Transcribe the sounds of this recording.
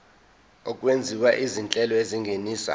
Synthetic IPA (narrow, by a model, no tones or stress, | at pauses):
ɔkʼwend͡zʱiwaʔizint͡ɬʼɛlɔeziŋɡʱeniːsa̰